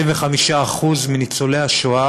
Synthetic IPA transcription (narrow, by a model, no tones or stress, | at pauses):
imveχamiʃaaχuzminit͡solejaʃoa